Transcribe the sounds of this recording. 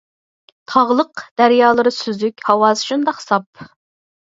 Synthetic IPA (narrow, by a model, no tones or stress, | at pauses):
t̪ʰɑʁlˠəqd̪̥æɾjɑːlˠɨɾɨsyzykʲhɑwɑːzʃund̪ɑqsɑp̚